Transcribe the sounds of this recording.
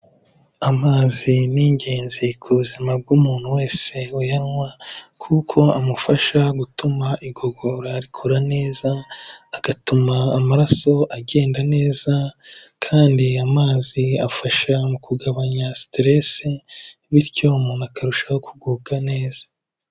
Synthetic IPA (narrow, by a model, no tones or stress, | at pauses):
amaːziniɲɟe̞ːnzikʰuβuzimab̚ɡumuːn̥huwe̞ːse̞ujanŋwakʰukʰo̞amufaʃaɡutumaʔiɡo̞ɡo̞ɾaɾikʰoɾane̞ːzaːɡ̥atumaːmaɾaso̞ʔaɡe̞ːndane̞ːzakʰaːndiamaːziafaʃamukuɡaβaɲastɾe̞se | βiɾco̞umuːnuakaɾuʃahokʰuɡuɡane̞ːz̥ḁ